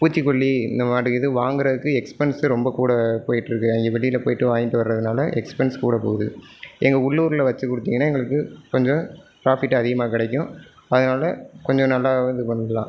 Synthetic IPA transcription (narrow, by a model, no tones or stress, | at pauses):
puːt͡ʃːikːɔɭːiɪnd̪ɐmaːɾɯɛðɯʋaːŋɡɯɾɐðɯkːɯɛkspɛnsɾɔmbɐkuːɽɐpoːjɪʈːɯɾɯkːɯɐŋɡeːʋɛɭɪjɪlɐpoːjɪʈːɯʋaːjɪt̪ːɯʋɐɾɾɐðɯnaːlɐʔɛkspɛnskuːɽɐpo̰ːɣɯðɯ | ɛŋɡɐʊɭːuːɾlɐʋɐt͡ʃːɯkːʊɽɯt̪ːiːŋɡɐnːaːɛŋɡɐɭɯkːɯkɔɲd͡ʒɔ̃pɪɾaːfɪʈːɐɐðɪɣɐmaːkɪɽɛk̬ʲːʊ̃ | ɐðɐnaːlɐkɔɲd͡ʒɔ̃nɐlːaːɣʋɐnd̪ɯpɐnːɯlã̰ː